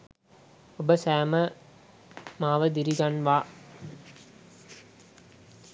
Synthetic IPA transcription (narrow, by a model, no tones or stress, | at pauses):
obəsæːmə | maːʋəd̪iɾiɡanʋaː